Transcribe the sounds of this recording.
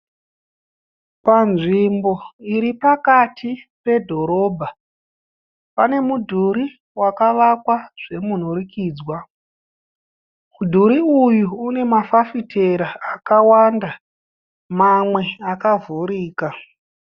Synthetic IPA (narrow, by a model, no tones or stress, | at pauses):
panʐimbo̞iɾipakatʰipe̞dʱo̞ɾo̞ːbʱa | pane̞mudʱuɾi | wakaʋakwaʐ̥e̞mun̤uɾikiːd͡zwa | mudʱuɾiujuːne̞mafafitʰe̞ɾaːkawanda | mamwe̞akavʱuɾiːka